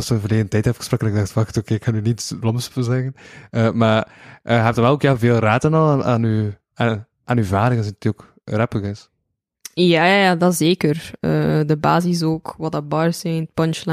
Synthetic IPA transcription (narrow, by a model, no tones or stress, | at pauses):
ɑstəvərleːɣəndətɛjtɛfəɣəsproːkənɪɡ̚dɑxtfɑxtokeːkʰːɑnynitblɔmspəzɛɣənəmarʔəɦɛp̚tənʋɛlˠoːkjalˠveːlˠraːtənɑlˠːna̰ːny | a | ʔaːnyvaːɾɪɣənzɛntioːk | rɛpəɣɪs | jaːajadɑzeːkərə̰dəba̰ːzis̬oːkwɑtɑbɑrsɛjntpɔnt͡ʃlɛ